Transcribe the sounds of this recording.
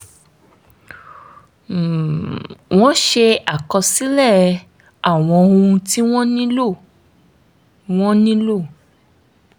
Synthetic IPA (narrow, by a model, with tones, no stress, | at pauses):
w̃ɔ̃˦ʃe˧a˨kɔ˧si˦lɛ˦˨˧ | a˦˨w̃ɔ̃˧o˧ũ˧ti˦w̃ɔ̃˦nĩ˦lo˦˨ | w̃ɔ̃˦nĩ˦lo˦˨